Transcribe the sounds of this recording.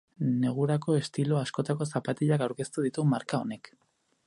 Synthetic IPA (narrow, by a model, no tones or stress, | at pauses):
ne̞ɣ̞uɾako̞e̞st̪ilo̞asko̞t̪ako̞sapat̪eʎakawɾke̞st̪uðit̪umaɾkao̞ne̞k